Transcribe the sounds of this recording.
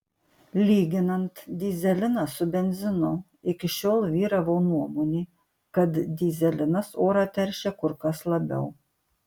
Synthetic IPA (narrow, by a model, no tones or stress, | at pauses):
lʲiːɡʲɪnɐnt̪d̪ʲiːzʲɛlʲɪnɑsʊbʲɛnʲzʲɪnʊ | ɪkʲɪʃʲoːlˠʋʲiːɾɐʋoːnuɔmoːnʲiː | kɐt̪d̪ʲiːzʲɛlʲɪnɐsoːɾɑːt̪ʲɛɾʲʃʲɛkʊɾkɐslˠɐbʲɛ̰ʊ